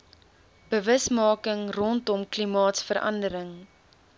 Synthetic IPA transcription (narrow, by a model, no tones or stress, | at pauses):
b̥əvəsmɑːkəŋrɔntɔmklimɑːtsfəɾɐ̰ndəɾəŋ